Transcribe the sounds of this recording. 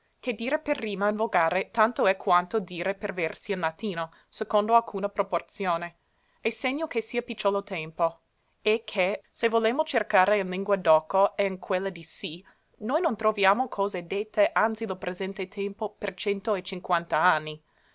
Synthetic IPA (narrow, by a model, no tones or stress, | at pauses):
ked̪iːɾeperːiːmainvoɡaːɾet̪ant̪oɛkʰwant̪od̪iːɾepervɛrsiillat̪ːiːno | sekond̪oalkʰuːnapɾoport̪sjoːne | eseɲːokesiːɐpit͡ʃːolot̪ɛmpo | ekʰːesevolemot͡ʃerkaːɾeinliŋɡwad̪ɔkoɛiŋkʰwelːad̪isi | nojnont̪ɾovjaːmokʰɔːzed̪et̪ʰːeʔant̪silopɾezɛnt̪et̪ʰɛmpopert͡ʃɛnt̪oet͡ʃiŋkwant̪aanːi